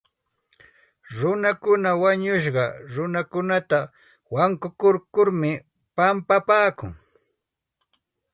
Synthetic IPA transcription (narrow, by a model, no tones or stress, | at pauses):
ɾʊnakʊnawaɲʊʃ̬ɢɑɾʊnakʊnat̪a | waŋkʊkʊɾkʊɾmɪ | pampapaːkʊ̰ŋ